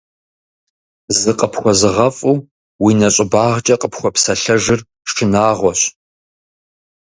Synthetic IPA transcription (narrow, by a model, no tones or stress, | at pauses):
zɨqʼəpʰχʷɔzɨʁɐfʼuː | winɐɕʼɪbaːʁt͡ʃʼɐqʼəpʰxʷɔpsɐɬɐʒɪr | ʂʰɨnaːʁʷɔɕ